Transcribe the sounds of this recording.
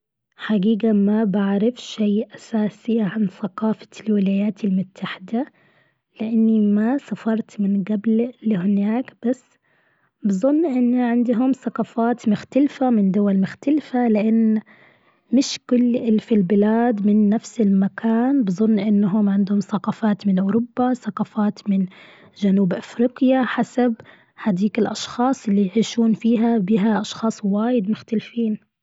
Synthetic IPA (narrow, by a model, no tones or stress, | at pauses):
ħaɡiːɡamabaʕɾɪfʃajʔasaːsɪʕanθaqɑːfḁlwɪlaːjaːt̪ɪlmʊt̪ːaħɪd̪a | lɪʔanːimasafɑɾˤt̪mɪnɡabllhɪnaːkb̥asː | bɨzˤʊnːʔɪnːiʕɪnd̪ɦʊmθaqɑːfaːt̪mʊxt̪alfamɪnd̪ʊwalmʊxt̪alfalɪʔanː | mɪʃkʊlːʔɪlfilbɪlaːd̪mɪnːafsɪlmakʰaːnbɨzˤʊnːʔɪnːɦʊmʕɪnd̪hʊmθɑqɑfaːt̪mɪnʔʊːɾʊbːaθaqɑfaːt̪mɪn | ʒanuːbʔafɾiːqɪjaħasab | had̪iːkɪlʔɑʃxɑːsˤʔɪlːijʕiːʃuːnfiːɦabiːɦaʔɑʃxɑːsˤwaːjɪd̪mʊxt̪alfiːn